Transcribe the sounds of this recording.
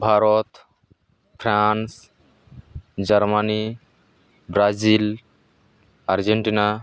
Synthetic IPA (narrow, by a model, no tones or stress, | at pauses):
bʱaɾɔt̪ | pʰɾans | d͡ʒɐɾmani | bɾazil | aɾd͡ʒeɳʈina